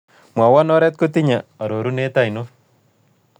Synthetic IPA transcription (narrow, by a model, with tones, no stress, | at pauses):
mwa˨wa˦nɔ˦ɾɛ˦t̚ko˦ti˦ɲa˨a˨ɾo˨ɾu˦ne˦ta˦jno